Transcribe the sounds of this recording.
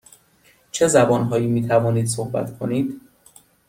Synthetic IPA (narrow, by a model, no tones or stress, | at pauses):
t͡ʃʰe̞zæbɒːnɦɒːjiːmiːt̪ʰævɒːniːd̪̥sohbæ̰t̪kʰo̞niːd̪̥